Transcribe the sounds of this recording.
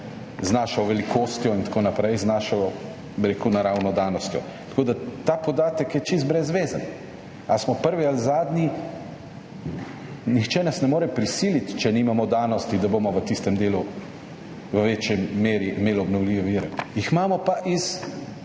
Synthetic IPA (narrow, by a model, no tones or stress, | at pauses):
znaːʃawʋɛlikoːst̪jɔint̪konapɾɛjznaːʃaw | biɾekunaɾawnɔd̪aːnɔst̪jɔ̰ | t̪ḁkoːd̪at̪aːpɔd̪aːt̪əkjɛt͡ʃist̪̚bɾɛzʋeːzan | asmɔpəɾʋialzaːd̪ni | nixt͡ʃɛnasnɛmoːɾɛpɾisilit̪t͡ʃɛnimamɔd̪aːnɔst̪id̪abomɔʋət̪ist̪ɛmd̪eːlu | ʋəʋeːt͡ʃjɛmeːɾiʔimeːlɔbnɔwliːʋɛʋiɾɛjixmaːmɔpaʔis